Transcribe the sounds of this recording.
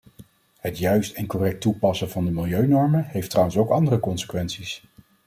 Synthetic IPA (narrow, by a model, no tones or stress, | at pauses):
ɦətjœɥstɛnkɔrɛk̚tupɑsəvɑndəmɪlˠjøɥnɔɹməɦejftrawənsowkɑndərəkɔnsə̥kʋɛnsis